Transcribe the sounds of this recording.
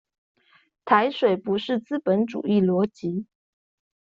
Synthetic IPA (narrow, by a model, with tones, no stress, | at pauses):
t̪ʰa˧˥ɪʂwe˨˩ɪpu˧˥ʂɻ̩˥˩t͡sɹ̩˥pə˧˥nʈ͡ʂṵ˨˩i˥˩lwɔ˧˥t͡ɕi˧˥